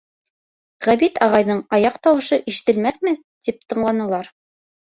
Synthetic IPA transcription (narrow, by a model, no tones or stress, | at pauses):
ʁæβit̪ɑʁɑjðɤɴɑjɑqt̪ɑwɤ̆ʃɤʔiʃɘ̆t̪ɘ̆lmæθmɘ | t̪ip̚t̪ɤ̆ɴlˠɑnɤ̆lˠɑɾ